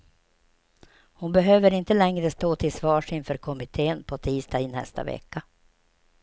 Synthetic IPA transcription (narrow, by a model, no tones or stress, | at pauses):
hʊnbɛɦøːvəɾɪnt̪əlɛŋɾəst̪oːt̪ʰɪlsvɑːʂɪnfœːɾkʰɔmɪt̪ʰeːənpʰɔt̪ʰiːst̪ɑːɪnɛ̰st̪ʰa̰vɛ̰kːa